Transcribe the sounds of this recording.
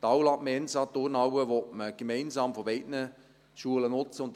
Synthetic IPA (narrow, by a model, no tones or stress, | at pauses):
t̪ɑwlɑʔməɛnsɑt̚ʊrnɑwəʋɔtməɡ̥əmɛɪnsɑːmfɔbɛɪtnə | ʃuələnʊt͡səʊnt̪